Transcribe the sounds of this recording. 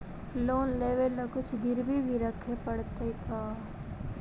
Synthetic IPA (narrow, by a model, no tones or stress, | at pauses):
loːnleːʋelːəkʊt͡ʃʰɡɪɾbʱibʱiɾəkʰːepəɽt̪ek̪aː